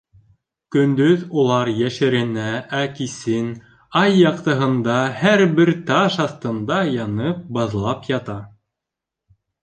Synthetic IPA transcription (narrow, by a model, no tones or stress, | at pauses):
kɵ̆nd̪ɵðulˠɑɾjæʃɘ̆ɾɘ̆næækisɘn | ɑjːɑqt̪ɤ̆ɦɤ̆nd̪ɑhæɾβɘɾt̪ɑʃɑθt̪ɤ̆nd̪ɑjɑnɤp̚bɑðlˠɑpjɑt̪ɑ